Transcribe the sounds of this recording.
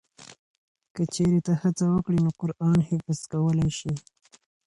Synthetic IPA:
kət͡ʃeɾet̪ahat͡sawəkɽinoqʊɾʔɑnhɪfazkawəlajʃi

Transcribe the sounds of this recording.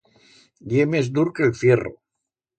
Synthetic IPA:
d̪jemezd̪uɾkelθjero̰

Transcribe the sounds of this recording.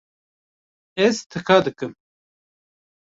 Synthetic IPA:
ɛzt̪ʰɨkʰaːd̪ɨkɨm

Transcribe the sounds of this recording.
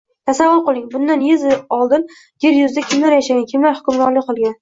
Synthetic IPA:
t̪ʰasavːʊɾqolˠɪŋbʊnd̪anjezɪɒlˠd̪ɪn | jeɾjʊzd̪akʲʰɪmlaɾjaʃaɡʲankʲʰɪmlaɾhʊ̥kʰʲʊmɾɒɾlɪkʲqɨlˠɡʲan

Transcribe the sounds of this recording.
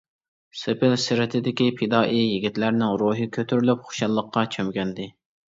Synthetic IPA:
sɨpʰɪlsɪɾɪt̪ʰɪd̪ɪkʲipʰɪd̪ɑːʔijiɡʲit̪læɾnɪŋɾoɦɨkʲʰøt̪ʰyɾylypχʊ̥ʃɑlˠːəqːɑt͡ʃʰømɡʲɛnd̪ɪ

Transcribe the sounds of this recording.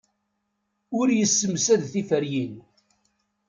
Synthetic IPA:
ʊɾjəsːəmsæðθifəɾjin

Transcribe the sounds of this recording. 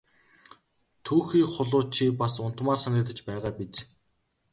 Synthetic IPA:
t̪ʰuːxiːχʊɮʊːt͡ɕʰipasʊn̥t̪maːrsanʲɪ̆kt̪ə̆t͡ɕpæːʁaːpit͡s

